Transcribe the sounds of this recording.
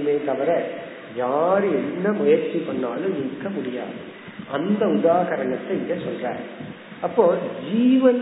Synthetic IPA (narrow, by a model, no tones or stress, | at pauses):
meːt̪ɐʋɐɾɐ | jaːɾɛnːɐmʊjɐɾt͡ʃːikɐɳːaːlɯ̃ɪnkːɐmʊɽɪja̰ːðɯ | ʔɐnd̪ɐʊðaːɣɐɾɐɳɐt̪ːɐɪðɐsɔlra̰ːɾ | ɐpːoːd͡ʒiːʋɐ